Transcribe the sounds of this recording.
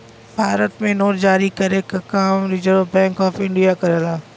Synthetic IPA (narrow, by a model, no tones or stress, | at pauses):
bʱaːɾət̪mẽnoːʈd͡ʒaːɾikɐɾekakaːmɾid͡ʒəɾbɛ̃ːŋkɔːfɪ̃ɳɖijakɐɾeːlaː